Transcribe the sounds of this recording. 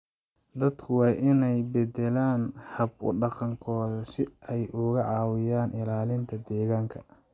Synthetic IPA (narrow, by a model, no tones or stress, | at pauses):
d̪ɐd̪kʰʊwɑːʔɪnɛjbɛd̪ɛlaːnhɐbʊ̰ɖɑqɑŋkʰɔːðɐsɪɛjʔʊɣɐʕɑːwɪjaːnʔɪlaːlɪnt̪ʰɐd̪ɛːɣaːŋkʰɐ